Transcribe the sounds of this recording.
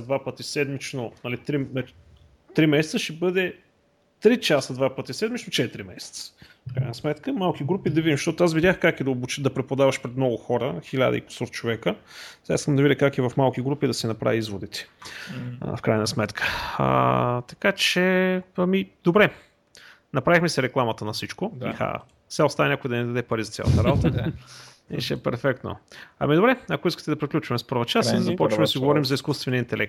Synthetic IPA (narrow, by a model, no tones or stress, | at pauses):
d̪vapət̪isɛd̪mit͡ʃnonɐlit̪ɾiɐ | t̪ɾimɛsɛt̪səʃɛbɤd̪ɛ | t̪ɾit͡ʃasəd̪vapət̪isɛd̪mit͡ʃnot͡ʃɛt̪ɾimɛ̰sɛ̥t̪sə̥ | fkɾa̰nəsmɛt̪kəmalˠk̟iɡɾupid̪ɐvid̪imʃt̪ɔt̪ʊasvid̪ʲaxkakid̪ɐobut͡ʃəd̪ɐpɾɛpod̪avɐʃpɾɛt̪mnɔɡʊxɔɾəxilʲa̰d̪ə̰ḭko̥sɔɾt͡ʃovɛkə | zaiskəmd̪ɐvid̪ʲəkakivɐfmalˠk̟iɡɾupid̪ɐsinɐpɾa̰vʲiizvod̪it̪ɛ̥̰ | fkɾajnəsmɛt̪kʰə̥̰ | t̪ɐ̥kat͡ʃɛɐmid̪obɾɛ | nɐpɾavixmɛsɛɾɛklˠamət̪ənɐfsit͡ʃkoḭxa̰ | fsɛʊst̪avɐnʲakojid̪ɐnɛd̪ɐd̪ɛpɐɾizɐt̪sʲa̰lˠɐ̰t̪əɾabot̪ə | nɛ̰ʃɛɛpɛɾfɛk̚t̪no̰ɐ̰mid̪obɾɛɐkoiskə̥t̪ɛd̪ɐpɾiklʲut͡ʃvɐmɛspɤɾvət͡ʃasid̪ɐzɐpɔt͡ʃvmd̪ɐsiɡovɔɾimzɐiskust̪vɛnijəint̪ɛlʔɛk̚t̪